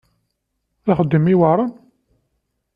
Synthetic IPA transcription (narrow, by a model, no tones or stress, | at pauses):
θaχəd̪ːəmiwəɾˤɑn